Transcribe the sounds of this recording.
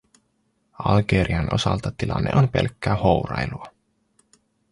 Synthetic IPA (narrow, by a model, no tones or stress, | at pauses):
ɑlɡeɾʔiɑnʔo̞sɑlt̪ɑt̪ilɑnːeʔonpe̞lkːæːho̞wrɑjluɑ